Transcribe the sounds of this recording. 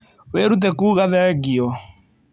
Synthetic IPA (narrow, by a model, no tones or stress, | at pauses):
weɾut̬ɛkuːɣaðɛɣiɔ